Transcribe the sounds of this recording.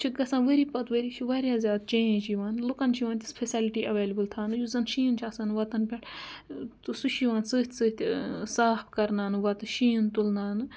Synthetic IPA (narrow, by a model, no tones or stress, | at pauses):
t͡ʃʰiɡɐsãːʋəɾiːpɐt̪ʋəɾiːt͡ʃʰiʋaːɾʲjaːzʲjaːd̪t͡ʃẽːẽd͡ʒʰiʋaːnlukɐnt͡ʃʰiʋaːnt̪ʲi̥spʰesʲaliʈiːʔɐʋeːlʲɐbɨlt̪ʰaːnɨjuzɐnʃiːnt͡ʃʰɐsaːnʋɐt̪ɐnpʲɐʈ̪ | suʃiʋaːnsɨːt̪ʲʰsɨːt̪ʲsaːpʰkɐɾnaːnɨʋɐt̪ɨʃiːnt̪ulnaːnɨ